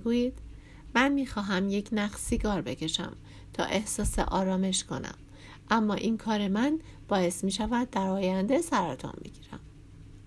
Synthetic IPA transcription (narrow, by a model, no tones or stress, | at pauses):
ɡuːjiːd̪̥ | mænmiːxɒːɦæmje̞cʰnæxsiɡɒːɾbe̞cʰe̞ʃæ̰m | t̪ʰɒ̰ːʔe̞hsɒːsḛʔɒ̰ːɾɒːme̞ʃkʰo̞̰næ̰m | ʔæmːɒːʔiːnkʰɒːɾe̞mæn | b̥ɒːje̞smiːʃævæd̪̚ːæɾɒːjænd̪e̞sæɾɒt̪ʰɒ̰mbḛɟ̥iːɾæ̰m